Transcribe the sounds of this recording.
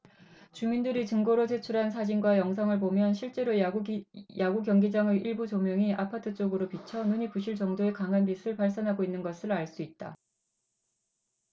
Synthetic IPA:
t͡ɕumindɯɾit͡ɕɯŋɡoɾot͡ɕe̞t͡ɕʰuɾɦansʰad͡ʑinɡwajʌŋs̬ʰʌŋɯɭpomjʌnɕʰiɭt͡ɕ͈e̞ɾo | jaɡukjʌŋɡid͡ʑaŋeʔiɭbut͡ɕomjʌŋiʔapʰatʰɯt͡ɕ͈oɡɯɾopit͡ɕʰʌnuɲipuɕʰiɭt͡ɕʌŋdoe̞kaŋɦanbisʰɯɭpaɭs͈anɦaɡoinːɯnɡʌsʰɯɭaɭs͈uit̚t͈a

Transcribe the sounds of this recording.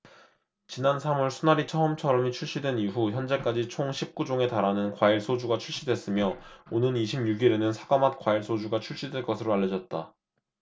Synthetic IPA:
t͡ɕinansʰamʌɭsʰunaɾit͡ɕʰʌɯmt͡ɕʰʌɾʌmit͡ɕʰuɭɕ͈idwe̞niɦuçjʌnd͡ʑe̞k͈ad͡ʑit͡ɕʰoŋɕʰip̚k͈ud͡ʑoŋe̞taɾanɯnkwaiɭs͈ʰod͡ʑuɡat͡ɕʰuɭɕ͈idwe̞s͈ɯmjʌonɯniɕʰimɲuɡiɾe̞nɯnsʰaɡamat̚k͈waiɭs͈ʰod͡ʑuɡat͡ɕʰuɭɕ͈idwe̞ɭk͈ʌsʰɯɾoaʎːjːʌd͡ʑʌt̚t͈a̰

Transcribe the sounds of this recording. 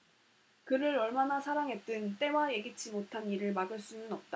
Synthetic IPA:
kɯɾɯɾʌɭmanasʰaɾaŋɦe̞t̚t͈ɯnt͈e̞waje̞ɡit͡ɕ͈ʰimotʰaniɾɯɭmaɡɯɭs͈unɯnʌp̚t͈a

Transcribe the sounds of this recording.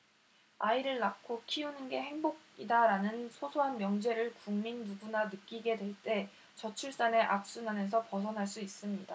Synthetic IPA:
aiɾɯɭnakʰokʰiunɯnɡe̞he̞ŋboɡ̚ | idaɾanɯnsʰosʰoɦanmjʌŋd͡ʑe̞ɾɯɭkuŋminːuɡunanɯk͈iɡe̞dwe̞ɭt͈e̞ | t͡ɕʌt͡ɕʰuɭs͈ane̞ʔak̚s͈unɦamjʌnsʰʌpʌs̬ʰʌnɦaɭs͈uis͈ɯmɲida

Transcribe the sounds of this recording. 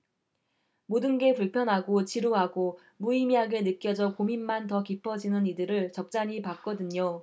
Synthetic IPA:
modɯnɡe̞puɭpʰjʌnɦaɡot͡ɕiɾoɦaɡo | muimiɦaɡe̞nɯk͈jʌd͡ʑʌkominmantʌkipʰʌd͡ʑinɯnidɯɾɯɭt͡ɕʌk̚t͡ɕ͈aɲipak͈̚ʌdɯɲo

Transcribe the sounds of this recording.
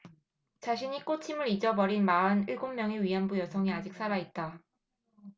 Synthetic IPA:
t͡ɕaɕʰiɲik͈ot͡ɕʰimɯɾid͡ʑʌbʌɾinmaɯniɭɡomːjʌŋiɥiɦanbujʌsʰʌŋiad͡ʑik̚s͈ʰaɾait̚t͈a

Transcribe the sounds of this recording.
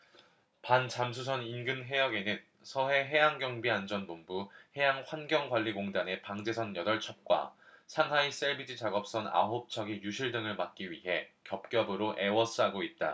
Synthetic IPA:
pant͡ɕamsʰus̬ʰʌninɡɯnɦe̞jʌɡe̞nɯn | sʰʌɦe̞ɦe̞jaŋɡjʌŋbiand͡ʑʌnbombuhe̞jaŋɸwanɡjʌŋɡwaʎːiɡoŋdane̞paŋd͡ʑe̞sʰʌnjʌdʌɭt͡ɕʰʌp̚k͈wa̰sʰaŋɦais͈eɭbid͡ʑit͡ɕaɡʌp̚s͈ʌna̰ɦop̚t͡ɕʰʌɡijuɕʰiɭdɯŋɯɭmak̚k͈iɥiɦe̞kjʌp̚k͈jʌbɯɾoʔe̞wʌs͈ʰɯɦaɡoit̚t͈a̰

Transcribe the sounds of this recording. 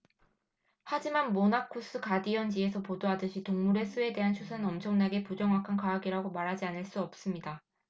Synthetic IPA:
had͡ʑimanmonakʰus͈ʰɯkadiʌnd͡ʑie̞sʰʌpodoɦadɯɕʰitoŋmuɾe̞s͈ʰue̞de̞ɦant͡ɕʰusʰanʌmt͡ɕʰʌŋnaɡe̞pud͡ʑʌŋwakʰankaɦːɡiɾaɡomaɾɦad͡ʑianɯɭs͈uʌp̚s͈ɯmɲida

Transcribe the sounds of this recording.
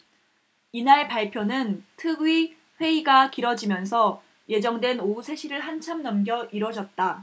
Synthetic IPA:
inaɭpaɭpʰjonɯntʰɯɡɥi | ɸwe̞iɡakiɾʌd͡ʑimjʌnsʰʌ | je̞d͡ʑʌŋdwe̞nousʰe̞ɕʰiɾɯɭɦant͡ɕʰamnʌmɡjʌʔiɾwʌd͡ʑʌt̚t͈a

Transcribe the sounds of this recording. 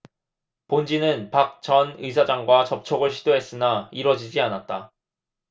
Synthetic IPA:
pond͡ʑinɯnpak̚t͡ɕʌnɯjs̬ʰad͡ʑaŋɡwat͡ɕʌp̚t͡ɕʰʌɡɯɭɕʰidoɦe̞s͈ɯnaiɾwʌd͡ʑid͡ʑianat̚t͈a

